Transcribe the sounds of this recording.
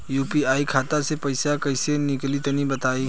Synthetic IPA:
juːpiaːikʰaːt̪asepɐɪsakɐɪsenɪklit̪ɐnibɐt̪aːi

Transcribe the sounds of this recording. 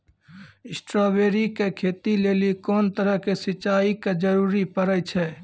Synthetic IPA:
ɪsʈɾobeɾikekʰet̪ilelikoːnt̪əɾəɦkesit͡ʃːaiked͡ʒəɾuɾipəɾət͡ʃʰɛ

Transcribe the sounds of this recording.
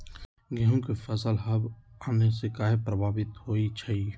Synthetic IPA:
ɡʱiɦõkifʰəsəlɦɐbaːnesekaːɦepɾəbʱaːbɪt̪hoːit͡ʃʰɐi

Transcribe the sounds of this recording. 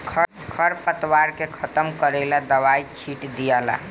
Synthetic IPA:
kʰə | kʰəɾpət̪waɾkekʰət̪əmkəɾelad̪əβajt͡ʃʰiʈd̪ijala̰

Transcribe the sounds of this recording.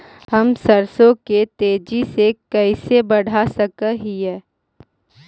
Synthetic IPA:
ɦhɐmsəɾsõket̪eːd͡ʒisekɐɪsebɐɽ̤ʱasɐkəɦiɦɛː

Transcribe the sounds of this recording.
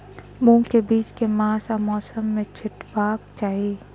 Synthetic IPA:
mũːkebiːt͡ʃkemaːsamɔːsəmːẽt͡ʃʰɪʈbaːkt͡ʃaːɦiː

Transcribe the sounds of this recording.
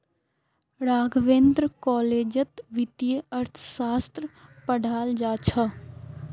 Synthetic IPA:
ɾaːɡʱʋeːnd̪ɾəkɔːleːd͡ʒət̪ʋɪt̪ijəəɾt̪ʰsaːst̪ɾəpəɽʱaːld͡ʒaːt͡ʃʰa

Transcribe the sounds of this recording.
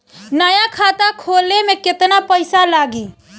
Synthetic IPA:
nəjakʰat̪akʰolemeket̪napəɪsalaːɡi

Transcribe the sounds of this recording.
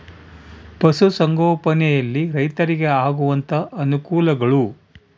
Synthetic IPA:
pɐsusɐŋɡoːpɐnɛjɐlːiɾɐjt̪ɐɾiɡeaːɡuʋɐnt̪ʰɐʔːnukuːlɐɡɐɭu

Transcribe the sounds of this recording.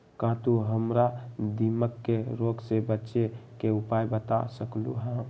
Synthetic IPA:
kãːt̪uɦəmɾad̪iməkːeɾoɡsebətːʃekeupajbət̪a̰səkluɦã

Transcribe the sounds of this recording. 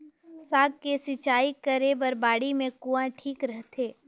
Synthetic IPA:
saːɡ̚kesɪt͡ʃaːikəɾebəɾbaːɽimẽkuãʈʰiːkɾəɦt̪ʰeː

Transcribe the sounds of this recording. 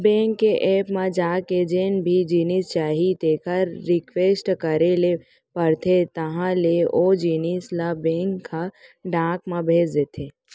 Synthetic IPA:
bẽːŋkːeʔeːpmãd͡ʒaːked͡ʒeːnbʱid͡ʒiːnist͡ʃaːɦit̪eːkʰəɾːɪkʋeːsʈkəɾele | pəɾt̪ʰet̪ɐɦãleod͡ʒinislabẽːŋkʰːaɖãːkmãbʱeːd͡ʒd̪et̪ʰeː

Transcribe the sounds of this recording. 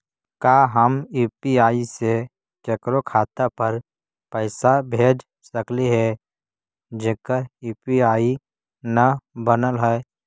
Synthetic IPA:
kaːɦəmjuːpiaːise | t͡ʃeːkɾokʰaːt̪apɐɾ | pəɪsabʱeːd͡ʒ | səkliɦɛ | d͡ʒeːkəjuːpiaːi | nɐbənəlɦɛɛ

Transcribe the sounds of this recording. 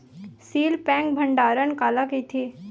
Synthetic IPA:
siːlpɛ̃ːŋk̚bʱə̃ɳɖaːɾənkaːlakit̪ʰiː

